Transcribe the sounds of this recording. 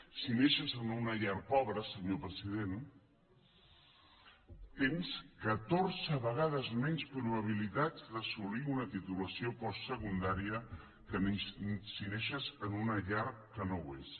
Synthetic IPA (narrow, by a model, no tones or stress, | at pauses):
sineʃəzənunəʎaɾpɔβɾəsəɲopɾəziðen | t̪enskət̪oɾzəβəɣ̞aðəzmɛnspɾuβəβ̞ilit̪ad͡zd̪əsuliunət̪it̪uləsiopɔssəkund̪aɾiə | kənesineʃəzənunəʎaɾkənowes